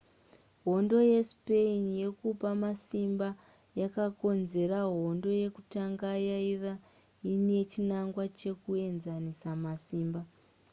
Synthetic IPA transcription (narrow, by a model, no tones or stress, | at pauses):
ɦo̞ndo̞je̞speinje̞kupamasimba | jakako̞nze̞ɾaɦo̞ndo̞je̞kutaŋɡajaiʋa | ine̞t͡ʃinaŋɡwat͡ʃe̞kue̞nzanisamasiːmba